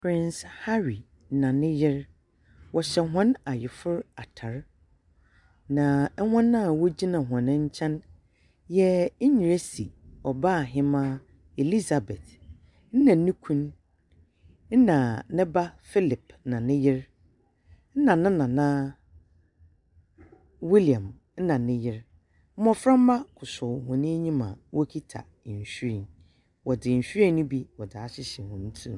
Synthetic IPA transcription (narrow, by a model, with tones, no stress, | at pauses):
pʰɾɪ̃˦nsha˦ɾi˨ | nã˨nɪ̃˦jɪ˦ɾ | wɔ˨ɕɛ˨˦ɦã˦na˨jɪ˨fʊ˦ɾa˨tʰa˨ɾ | nã˨˦hã˦nːã˦˨wo˦d͡ʑi˦nã˨ɦã˨nɪ̃˦ɲ̩˦t͡ɕʰɛ̃˦n | jɛ˦ɲi˨ɾe˦si˨ɔ˨ba˦˨ɦɪ̃˦mã˦ | e˨li˦za˨bɛ˨t | n̩˦nã˨˦nĩ˦kʷʰũ˦n | n̩˦nã˨nɪ̃˦ba˦fi˦lɪ˨p̚nã˨nɪ̃˦jɪ˦ɾ | n̩˦nã˨nɪ̃˦nã˨nã˦ | wi˦li˨ã˨m | n̩˦nã˨nɪ̃˦jɪ˦ɾ | m̩˦mɔ̃˦fɾã˦m̩˦ma˦kʰʊ˨sʊ˨hʊ̃˨nɪ̃˦ɲĩ˦mã̰˨wɔ˦kʰi˦tʰa̰˨ɲ̩˨ɕᶣi˦ɾi˨n | wɔ˨dɪ˨ɲ̩˨ɕᶣɾĩ˦nʊ̃˦bi˦wɔ˨dɪ˨a˨ɕɪ˦ɕɛ˨hʊ̃˨n̩˦tʰũ˦˨